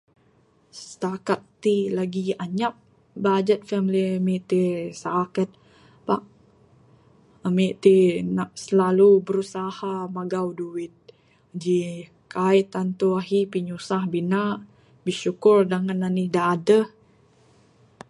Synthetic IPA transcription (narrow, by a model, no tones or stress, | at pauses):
sə̥t̪akat̪̚t̪ilaɡiaɲap̚ | bad͡ʒət̪̚fɛmilimiʔt̪isakət̪̚ | pa̰ʔ | əmiʔt̪inaʔsəlalubəɾusahamaɡawduɪt̪̚ | d͡ʒi | kajt̪ant̪uaɦipiɲusahbinaʔ | biʃukʊrdaŋananidaːdəh